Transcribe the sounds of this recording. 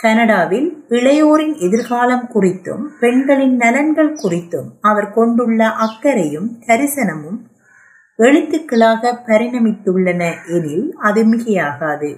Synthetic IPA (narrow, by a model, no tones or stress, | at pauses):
kɐnɐɽaːʋɪlɪɭɐjoːɾɪnɛðɪɾɣaːlɐmkʊrɪt̪ːɯ̰mpɛɳɡɐɭɪnnɐlɐnɡɐɭkʊrɪt̪ːɯmɐʋɐɾkɔɳɖɯɭːɐʔɐkːɐɾɐjɯmkɐɾɪsɐnɐmɯm | ɛɻɯt̪ːɯkːɐɭaːɣɐpɐɾɪnɐmɪt̪ːɯɭːɐnɐʔɛnɪlɐðɯmɪɣɐjaːɣaːðɯ